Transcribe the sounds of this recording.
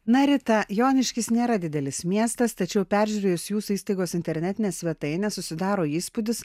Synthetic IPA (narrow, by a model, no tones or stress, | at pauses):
nɐɾʲɪt̪ɐjoːnʲɪʃʲkʲɪsnʲeːɾɐd̪ʲɪd̪ʲɛlʲɪsmʲiɛst̪ɐst̪ɐt͡ʃʲɛʊpʲæɾʲʒʲuːɾʲeːjʊsjuːsʊiːst̪ɐɪɡoːsɪnʲt̪ʲɛɾʲnʲɛt̪ʲɪnʲeːsʲʋʲɛt̪ɐɪnʲɛsʊsʲɪd̪ɑːɾoːiːspʊd̪ʲɪs